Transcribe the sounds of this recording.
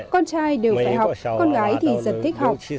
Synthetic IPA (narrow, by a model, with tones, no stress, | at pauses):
kɔ˧nt͡ɕaː˧jɗe˨˩wfaː˧˩jɦa˨˩wk͡pw̚k͡p̚kɔ˧nɣaː˨˦jt̪ʰi˨˩zə̰˨˩nt̪ʰi˦˥k̟̚ɦa˨˩wk͡p̚